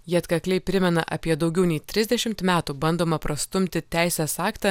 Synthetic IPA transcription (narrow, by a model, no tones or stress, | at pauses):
jiɐt̪kɐklʲɛɪpʲɾʲɪmʲɛnɐ̰ʔɐ̰pʲiɛd̪ɒʊɡʲɛʊnʲɛɪt̪ʲɾʲɪzʲd̪ʲɛʃʲɪmt̪mʲæːt̪uːbɐnd̪oːmɐpɾɐst̪ʊmʲt̪ʲɪt̪ʲæˑɪsʲeːsɑːkt̪ɑ